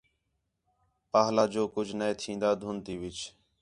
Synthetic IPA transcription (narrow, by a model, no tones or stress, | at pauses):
paːɦlaːd͡ʒoːkʊd͡ʒʱnəẽːt̪ʰĩːnd̪aːd̪ʱʊnt̪iːʋɪt͡ʃ